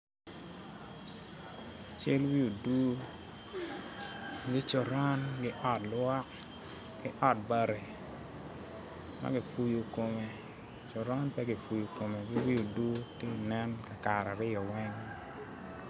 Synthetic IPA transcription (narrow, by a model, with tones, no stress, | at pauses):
a˨t͡ʃe˦lwi˦o˨du˦ | ɡɪ˦t͡ʃo˨ɾɔ˦nɡɪ˦ʔɔ˦tlwa˦k | ɡɪ˦ʔɔ˦t̚ba˨ɾe˨ | ma̰˦ɡɪ˨fu˨jo˨ko˨me˨ | t͡ʃo˨ɾɔ˦npɛ˦ɡɪ˨fu˨jo˨ko˨me˨ɡɪ˦wi˦o˨du˦tɪ˦˨nɛ˦nka˨ka˨ɾa˨ɾɪ˦jɔ˨wɛ˦ŋ